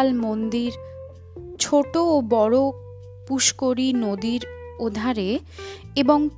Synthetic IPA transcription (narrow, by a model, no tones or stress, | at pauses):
lmond̪iɾ | t͡ɕʰoʈoːbɔɽo | puʃkoɾinod̪iɾ | od̪ʱaɾe | eboŋ